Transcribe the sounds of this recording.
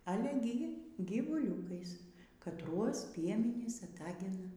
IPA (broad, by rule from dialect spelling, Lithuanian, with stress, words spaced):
ɐˈlʲɛ ɡʲɪ ɡʲiːʋʊˈlʲuːkɐɪs kɐtˈruɔs ˈpʲiɛmʲɛnʲiːs ɐˈtɑːɡʲɪnɐ